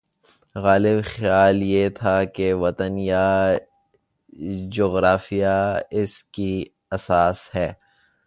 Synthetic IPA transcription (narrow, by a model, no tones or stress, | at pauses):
ɣaːlɪbxjaːljet̪ʰakeʋɐt̪ənja | d͡ʒoːɣɾaːfijaɪski | ɐsaːshɛː